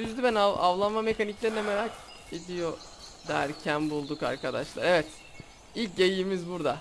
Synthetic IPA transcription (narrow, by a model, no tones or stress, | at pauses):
yzd̪ybænaa̰vlˠanmamekaniclʲe̞ɾinemeɾak | ed̪ijo̞ | d̪æɾcʰænbulˠd̪uka̰ɾkʰad̪aʃlˠaɾevɛt̪ | ilʲc̚ɟejimizbuɾd̪a